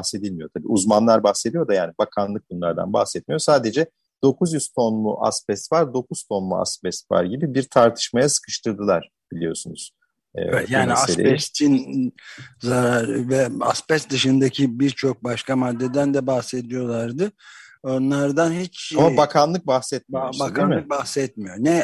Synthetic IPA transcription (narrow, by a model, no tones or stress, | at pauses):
ahse̞d̪ilʲmijo̞t̪ʰabḭːʔuzmanlˠaɾbaxse̞d̪ijo̞d̪ajaːnibakʰanlˠɯk̚bunlˠaɾd̪a̰nba̰hsɛt̪̚mijo̞saːd̪e̞d͡ʒɛ | d̪̥o̞kʰuzjyz̥t̪ʰo̞nlˠṵʔa̰spɛst̪vaɾd̪o̞kʰuz̥t̪ʰo̞nlˠṵa̰spɛst̪va̰ɾɟibibiɾt̪ʰaɾt̪ʰɯ̥ʃmajasɯ̥kʰɯ̥ʃt̪ʰɯɾd̪ɯlˠaɾ̥ | b̥ilʲijo̞̰sunuz̥ | ɛ̰ɛɛ̰jaːniaselḛst̪ʰin | zaɾaɾɯvɛa̰spɛsd̪ɯʃɯnd̪acʰibiɾt͡ʃʰo̞k̚baʃkʰamad̪ːed̪ænd̪ɛbaxse̞d̪ijo̞lˠaɾd̪ɯo̞nlˠaɾd̪anhit͡ʃamabakʰanlˠɯk̚baxsɛt̪̚misakamk̚bahsɛt̪̚mijonɛ